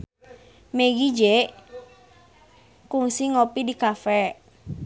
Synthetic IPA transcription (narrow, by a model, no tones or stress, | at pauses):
meɡid͡ʒɛʔ | kuŋsiŋopidikafɛ